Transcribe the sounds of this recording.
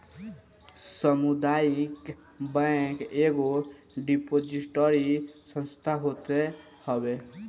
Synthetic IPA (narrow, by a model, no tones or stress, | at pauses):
səmud̪aik | bɛ̃keɡoɖipod͡ʒiʈɔɾisə̃nst̪ʰaɦot̪e | hɔbe